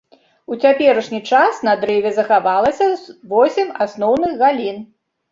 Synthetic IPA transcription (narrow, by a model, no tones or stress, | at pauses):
ut͡sʲapʲɛɾɐʂnʲit͡ʂasnɐd̪ɾɛvʲɛzɐxavalˠɐsʲɐzvɔsʲɛmasnɔwnɨɣɣalʲin